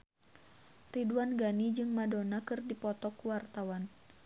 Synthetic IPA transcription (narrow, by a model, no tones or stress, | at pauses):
riduanɡanid͡ʒɨŋmadonakɨrdipɔt̪ɔkuwart̪awan